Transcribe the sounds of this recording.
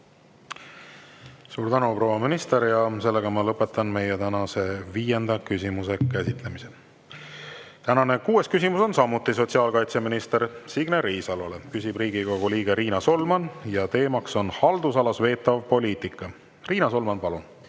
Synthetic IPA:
suːɾt̪ænupro̞ːwɑminist̪e̞ɾjɑse̞lːeɡ̥ɑmɑlɤpːˑe̞t̪ːˑɑnme̞jet̪ænɑse̞viːje̞nd̪̥ɑkysʲimusekæsit̪le̞mise | t̪ænɑne̞kuːe̞skysimuso̞nsɑmːut̪ːˑis̬o̞t̪ʲsiɑːlkɑjt̪seminist̪e̞ɾsiɡ̥neɾiːsɑlɑle̞kysʲib̥riːɡ̥iko̞ɡ̥uliːɡ̥eɾʔiːnɑso̞lmɑnjɑt̪e̞ːmɑkso̞nhɑld̪usɑlɑsve̞ːt̪ːˑɑvpo̞lʲiːt̪ˑikːˑɑ | riːnɑso̞lmɑnpɑlun

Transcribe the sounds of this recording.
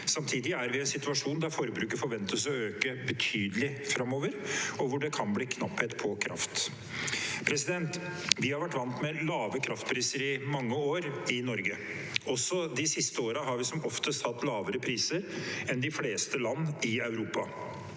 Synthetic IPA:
sɑmt̪ʰiːd̪ɪæɾʋɪɛnsɪt̪ʉɑʂuːnd̪æɾfɔɾəbɾʉːkəɾfɔɾʋɛnt̪əs̬ɔøːkəbət̪ʰyːd̪əlɪfɾɑmːoːʋəɾɔʋʊɖɛkʰɑnbliːkʰnɑpːheːt̪pʰɔkʰɾʔɑ̰ft̪ | pʰɾɛsɪd̪ɛnt̪ʋɪhɑɾʋæʈːʋɑnt̪mɛlɑːʋəkʰɾɑft̪̚pʰɾiːsəɾɪmɑŋːəoːɾɪnɔɾɡə | ɔsɔd̪ɪsɪst̪əoːɾəɦɑɾʋɪsɔmɔft̪əst̪hɑt̪ːlɑːʋəɾəpʰɾiːsəɾɛnd̪ɪfleːst̪əlɑnːɪɑʉɾuːpɑ

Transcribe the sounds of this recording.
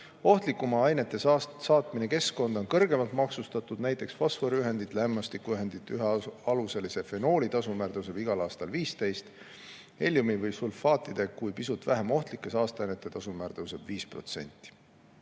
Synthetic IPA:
o̞ht̪likːˑumɑɑjne̞t̪ˑːe̞sɑsɑːt̪mine̞ke̞sko̞nd̪̥onkɤrɡe̞mɑlt̪mɑksust̪ɑt̪ːˑud̪̥næjt̪ːˑe̞ksfo̞sfoɾiyɦe̞nd̪̥it̪ˑlæmːɑst̪ikːˑuyɦe̞nd̪̥it̪ːˑyɦeɑluse̞lise̞fe̞no̞ːlit̪ɑsumæːrt̪ɤwse̞b̥iɡ̥ɑlɑːst̪ɑlviːst̪e̞jst̪ | e̞lʲːjumivɯjsulfɑːt̪ˑːid̪̥ekujpisut̪væɦemo̞ht̪likːˑesɑːst̪eɑjnet̪ːˑe̞t̪ɑsumæːrt̪ɤwse̞b̥viːspro̞̰t̪se̞̰nʲt̪ːˑi̥

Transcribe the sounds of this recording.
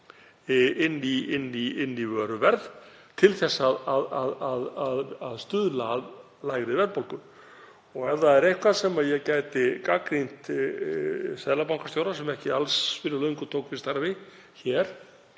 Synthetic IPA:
ɪnːiɪnːiɪnːivœːɾʏvɛɾð | t̪ʰɪlθɛsːaðaðaðaðaðaðst̪ʏðlað | laːjɣɾɪvɛɾpowlkʏ | ɔɣɛvðaɛɾejhkʰvaðsɛmaðjɛɣcaːjt̪ɪkakɾin̥t̪ | sɛðlapawŋkast̪jowɾasɛmɛhcɪalsːfɪɾʏlœiŋkʏ̥t̪ʰoːwkfɪɾ̥st̪aɾvɪ | çɛːɾ̥

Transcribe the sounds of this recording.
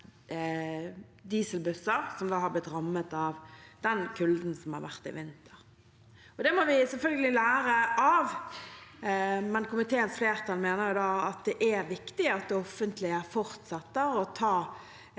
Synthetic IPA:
d̪iːsəlbʉsəʁsɔmd̪ɑːhɑblɪt̪ɾɑmːət̪ɑʋd̪̥ɛnkʰʉld̪n̩sɔmhɑ̰ɾʋæ̰ʁt̪ɪ̰ʋɪnt̪ʰə̥ʁ | ɔd̪ɛmɔʋɪsɛlfœlɡəlɪlæːɾəʔɑʋ | mɛnkʊmɪt̪ʰeːənsfleːʁt̪ʰɑlmeːnəɾjʊd̪ɑːɑt̪̚d̪ɛʔæɾʋɪkt̪ɪɑt̪̚d̪ɛɔfːənt̪lɪəfɔʁt̪sɛt̪ːəɾɔt̪ʰɑː

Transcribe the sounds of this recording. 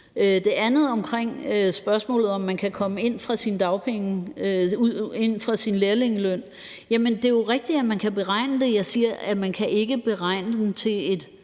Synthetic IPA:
ød̥e̝ænð̩ˠɒ̽mkʰʁeŋ̰øsb̥ɶɐsmɔ̰ːlð̩ˠɒ̽mːænkʰækʰɒ̽məe̝n̰fʁɑ̈sind̥ɑ̈ʊpʰeŋəøue̝n̰fʁɑ̈sinleɐle̝ŋəløn̰ | jæmənd̥e̝jo̝ʁɛɡ̥̚d̥iæmænkʰæb̥e̝ʁɑ̈ɪ̰nəd̥e̝jɑ̈ɪsiːɐʔæmænkʰæʔe̝ɡ̥əb̥e̝ʁɑ̈ɪ̰nəd̥en̩t͡sʰe̝le̝d̥

